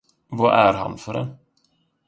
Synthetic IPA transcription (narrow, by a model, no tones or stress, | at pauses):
vɑʔæɾɦa̰nfœɾɛ